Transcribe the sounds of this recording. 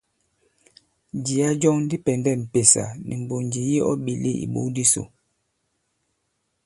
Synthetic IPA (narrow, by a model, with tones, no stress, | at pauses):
d͡ʒi˨a˦d͡ʒɔ˦ŋn˦di˦pɛ˨ndɛ˦˨m̩˨pe˨sa̰˨nḭ˨m̩˨bo˨nd͡ʒi˨ji˦ɔ˦ɓi˨lḛ˦ḭ˨ɓo̰˦di˦so̰˨